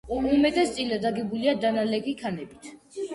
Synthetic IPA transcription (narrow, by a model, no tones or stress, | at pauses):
umɛt̪ʼɛst̪sʼilad̪aɡɛbuliad̪analɛɡikʰanɛbit̪ʰ